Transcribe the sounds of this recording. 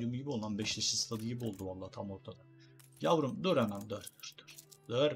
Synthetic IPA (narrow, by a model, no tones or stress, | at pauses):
jumjibio̞lˠanbɛʃleʃist̪ʰad̪ijibolˠd̪ualˠːat̪ʰamoɾt̪ʰad̪a | javɾumd̪øɾanand̪øɾyɾt̪ʰy̥ɾ̥d̪øɾ